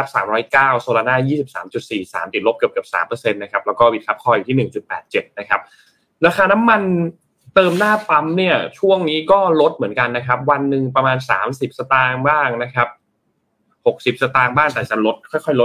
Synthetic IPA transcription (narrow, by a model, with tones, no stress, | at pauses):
a˦˥p̚sa̰ː˩˦mɾɔː˦˥jkaː˥˩wsoː˧laː˧naː˥˩jiː˥˩si˨˩p̚saː˩˦mt͡ɕu˨˩t̪̚siː˨˩sa̰ː˩˦mt̪i˨˩t̪̚lo˦˥p̚kɯ˨˩p̚kɯ˨˩p̚sa̰ː˩˦mpɤː˧se˧nːa˦˥kʰa˦˥p̚lɛː˦˥wkɔː˥˩wi˨˩t̪kʰa˦˥p̚kʰɔː˧˩juː˨t̪ʰiː˥˩nɯ˨˩ŋt͡ɕu˨˩t̪̚pɛː˨˩t̪̚t͡ɕe˨˩t̪̚na˦˥kʰa˦˥p̚ | ɾaː˧xʰaː˧na˦˥mːa˧n | t̪ɤː˧mnaː˥˩p̪a˦˥mni˥˩ɐt͡ɕʰu˥˩əŋniː˦˥kɔː˥˩lo˦˥t̪̚mɯ˩˦ənka˧nːa˦˥kʰa˦˥p̚wa˧nːɯ˨˩ŋpɾa˧maː˧nsa̰ː˩˦msi˨˩p̚sa˧t̪aː˧ŋbaː˥˩ŋna˦˥kʰa˦˥p̚ | ho˨˩k̚si˨˩p̚sa˧t̪aː˧ŋbaː˥˩ŋt̪ɛː˨˩t͡ɕa˨˩lo˦˥t̪̚kʰɔː˥˩jkʰɔ˥˩jlo˦˥t̪̚